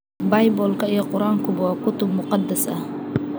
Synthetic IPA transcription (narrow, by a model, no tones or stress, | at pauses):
bajbolˠkajqʊɾɑŋkʊbʊwakʊt̪ʊbmʊqɑd̪ːasa